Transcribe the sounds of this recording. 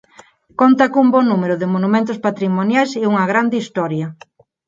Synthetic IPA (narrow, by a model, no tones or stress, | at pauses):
kont̪ɐkumbɔnumeɾʊðɪmonumẽnt̪ospat̪ɾimonjajseuŋɐɣɾand̪ɪist̪ɔɾjɐ